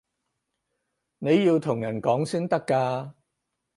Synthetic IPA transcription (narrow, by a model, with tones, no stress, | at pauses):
ne˨˧jjiː˧wt̪ʰʊ˨˩ŋjɐ˨˩nkɔː˨˥ŋsiː˥nt̪ɐ˥kːaː˧